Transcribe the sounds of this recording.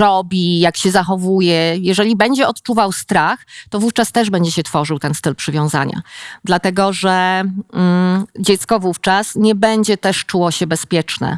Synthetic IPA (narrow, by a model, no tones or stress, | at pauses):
ɾɔbʲijakɕɛzaxɔvujɛjɛʐɛlʲibɛɲd͡ʑɛɔt̪t͡ʂuvawst̪ɾaxt̪ɔvuft͡ʂast̪ɛʐbɛɲd͡ʑɛɕɛt̪fɔʐɘwt̪ɛnst̪ɘlpʂɘvʲjɔ̃w̃za̰ɲa̰d̪lat̪ɛɡɔʐɛ | d͡ʑɛt̪skɔvuft͡ʂasɲɛbɛɲd͡ʑɛt̪ɛʂt͡ʂuwɔɕɛbɛspʲjɛt͡ʂnɛ̰